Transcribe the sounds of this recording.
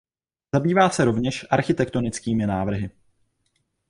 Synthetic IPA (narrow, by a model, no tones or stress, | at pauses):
zabiːvaːsɛɾo̞vɲɛʃʔaɾxɪt̪ɛkt̪o̞nɪt͡skiːmɪnaːvr̩ɦɪ